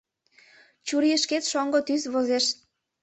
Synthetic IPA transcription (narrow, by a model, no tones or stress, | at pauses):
t͡ɕuɾijəʃket̪ʃoŋɡot̪yzβozeʃ